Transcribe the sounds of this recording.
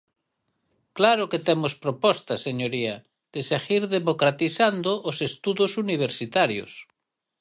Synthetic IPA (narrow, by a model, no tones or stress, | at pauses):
klaɾoket̪emospɾopɔst̪aseɲoɾia | ð̥eseɣiɾðemokɾat̪iθand̪oʔːsest̪uðosuniβ̞eɾsit̪aɾjo̰s